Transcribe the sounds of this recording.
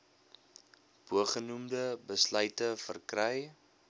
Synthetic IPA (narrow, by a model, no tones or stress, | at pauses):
b̥uəχənumdəbəslœɥtəfərkrɛj